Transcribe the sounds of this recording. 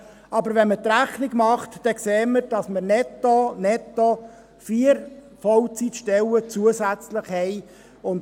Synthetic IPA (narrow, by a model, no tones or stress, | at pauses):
ɑbəɾʋɛnmət̪ɾæχniɡmɑχt̪d̥ɛkseːməɾd̥ɑsməɾnɛt̪ːonɛt̪ːɔ | fiːəɾ | fɔlt͡sitʃtɛlət͡suəsæt͡slɪχhɛɪ | ʊnd